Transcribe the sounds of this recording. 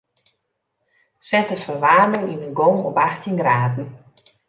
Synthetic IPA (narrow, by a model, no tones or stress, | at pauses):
sɛtəfərʋaːmɪŋinənɡɔŋɔpaxtʰinɡraːdn̩